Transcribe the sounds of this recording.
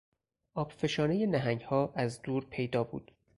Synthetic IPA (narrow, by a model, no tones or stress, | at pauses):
ʔɒːb̥fe̞ʃɒːne̞je̞næɦæŋɟhɒːʔæzd̪uːɾpʰe̞jd̪ɒːbṵːd̪̥